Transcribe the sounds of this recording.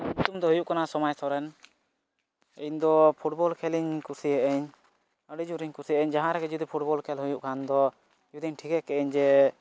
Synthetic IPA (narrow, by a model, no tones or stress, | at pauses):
ɲut̪umd̪ɔɦujuʔkanasɔmajt̪ɔɾɛn | iɲd̪ɔpʰuʈbɔlkʰɛliɲkusiəʔəɲ | əɖid͡ʒuʔɾiɲkusijəʔəɲd͡ʒaɦãɾɛɡɛd͡ʒud̪ipʰuʈ̚bɔlkʰɛlɦujuʔkʰand̪ɔ | d͡ʒud̪iɲʈʰikɛʔkɛʔɛɲd͡ʒɛ